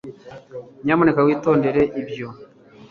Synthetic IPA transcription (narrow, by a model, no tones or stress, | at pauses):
ɲamonekawiːto̞ːnde̞ɾe̞ʔiβjo